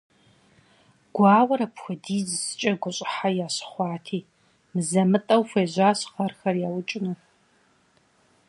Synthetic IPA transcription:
ɡ̥ʷɑːwɐɾɐpxʷʊdiːzɨsɨ̥t͡ʃʼɐɡʷʊɕʼɪ̥ħajaːɕχʷɑːtʰiː | mɨzɐmɨtʼɐwfʷeːʑʷaːɕqɐrxɐrjaːwʊt͡ʃʼɪnuː

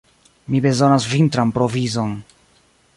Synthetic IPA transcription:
mibe̞zo̞nasvintɾanpɾo̞vizo̞n

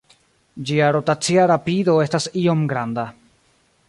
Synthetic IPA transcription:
d͡ʒiaɾo̞tat͡siaɾapido̞e̞stasio̞mɡɾanda

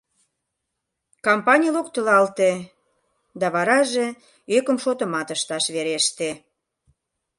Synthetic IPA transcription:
kɑmpɑnʲijəlokt̪əlɑlt̪e | d̪ɑβɑɾɑʒe | økə̆mʃot̪ə̆mɑt̪əʃt̪ɑʃβeɾeʃt̪e

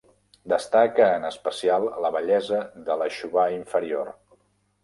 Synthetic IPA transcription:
d̪əst̪akəːnəspəsialˠləβəʎɛzəðələʃuβaiɱfəɾio̰r

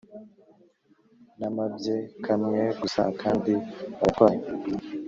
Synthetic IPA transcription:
namabjekʰamŋeɡusa̰kʰaːndiβaɾkwaɲ

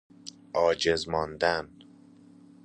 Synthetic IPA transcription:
ʔɒːd͡ʒezmɒːnd̪æn

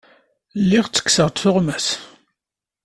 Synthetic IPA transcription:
lːiʁt͡sːə̥kːsəʁt̪θʊʁmæs

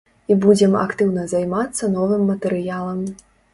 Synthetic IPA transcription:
ibud͡zʲɛmɐ̰kt̪ɨwnɐzajmat̪sːɐn̪ɔvɨmːɐt̪ɛɾɨjalˠɐm

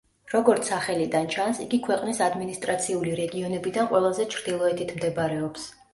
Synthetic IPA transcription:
ɾɔɡɔɾt̪sʰaχɛlid̪ant͡ʃʰansiɡikʰwɛqʼnisad̪minist̪ʼɾat̪sʰiuliɾɛɡiɔnɛbid̪anqʼwɛlˠazɛt͡ʃʰɾd̪ilˠɔɛt̪ʰit̪ʰmd̪ɛbɾɛɔps

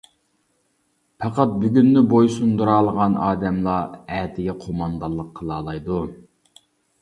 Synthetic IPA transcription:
pʰɑqɑt̪̚byɡʲynːɪbojsund̪uɾɑːlˠəʁɑnɑːd̪ɛmlˠɑɛːt̪ʰɪɡʲɛqʰomɑnd̪ɑlˠːəqʰːəlˠɑːlˠɑjd̪u

